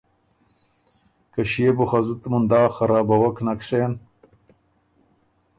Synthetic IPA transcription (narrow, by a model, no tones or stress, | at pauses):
kɐɕebuxɐzut̪mund̪aːxɐɾaːbɐwɐknɐkseːn